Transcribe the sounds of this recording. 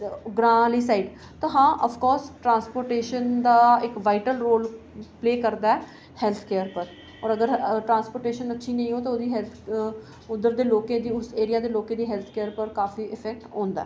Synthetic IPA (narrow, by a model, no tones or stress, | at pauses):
ɡɾãːliːsaːiːɖ | t̪ãːɦãːʔəfʰkɔːɾsʈɾãːnspoːɾʈeːʃənd̪aːɪkʋaːɪʈəlɾoːl | pleːkəɾd̪aːɛ | hɛlt̪ʰkeːəɾpəɾ | ɔːɾəɡəɾʈɾãːnspoːʈeːʃənətːʃʰiːnə̃ĩːɦoːt̪ãoːd̪iːɦɛlt̪ʰ | ʊd̪əɾd̪eːloːkẽːd̪iːʊseːɾɪjaːd̪eːloːkẽːd̪iːɦɛlt̪ʰkeːəɾpəɾkaːfiːʔɪpʰɛːk̚ʈõːnd̪a̰ɛː